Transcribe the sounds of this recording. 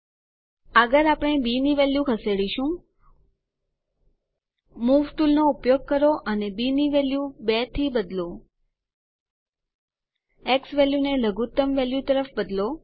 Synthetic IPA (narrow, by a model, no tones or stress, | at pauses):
əɡəɾapɳ̃ebiniʋeljukʰəseɽiʃũ | muʋʈulnoupjoɡ̚kəɾoʔənebiniʋeljubet̪ʰibəd̪lo | eksʋeljuneləɡut̪əmʋeljut̪əɾəfbəd̪lo